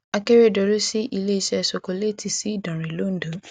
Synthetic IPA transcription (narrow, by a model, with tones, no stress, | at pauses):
a˧ke˦ɾe˦˨dɔ˧ɾo˦si˦ʔi˧le˦i˧˦ʃɛ˦˧˨so˨ko˧le˦ti˦˨si˦i˦˨dɔ̃˨ɾ̃ĩ˨lo˦n̩˦dõ˨˦